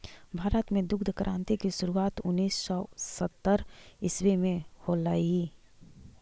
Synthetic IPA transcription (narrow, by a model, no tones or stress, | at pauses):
bʱaːɾət̪mẽd̪ʊkd̪ʱəkɾʔãːnt̪ikisʊɾuaːt̪ʊnːiːsːɔsət̪ːəɾɪswemẽholaːi